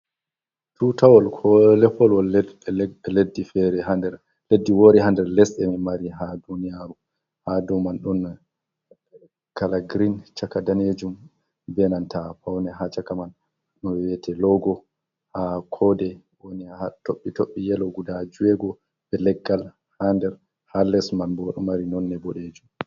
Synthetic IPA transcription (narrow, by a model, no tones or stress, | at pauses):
tutawɔlkʰɔlɛpːɔlwɔl | ɛledːifɛɾɛhandɛɾ | ledːiwoɾiɦandɛɾlɛsɛmimaɾiɦadunijaɾu | hadɔmanɗun | kalaɡɾint͡ʃakadaned͡ʒum | bɛnantapawnɛɦat͡ʃakaman | ɗɔnwɛwɛtʰɛlɔɡɔ | hakʰɔdɛ | woniaatoɓːitoɓːijɛlɔɡudad͡ʒuwɛɡɔ | bɛlɛɡːal | handɛɾ | halɛsmanbɔɗɔmaɾinɔnːɛbɔɗed͡ʒum